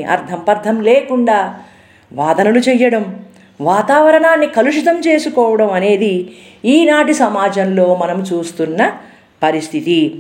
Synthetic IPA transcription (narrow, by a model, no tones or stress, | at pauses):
ʔɐ̰ɾt̪ʰɐmpɐɾd̪ʰʱɐmleːkuɳɖaː | ʋaːd̪ɐnulut͡ʃɛjːɐɽɐm | ʋaːt̪aːʋɐɾɐɳaːnːikɐluʂit̪ɐmt͡ʃe̞ːsukɔːʋɐɽɐmɐne̞ːd̪i | iːnaːʈisɐmaːd͡ʒɐnlo̞ːmɐnɐmut͡ʃuːst̪unːɐ | pɐɾist̪ʰit̪i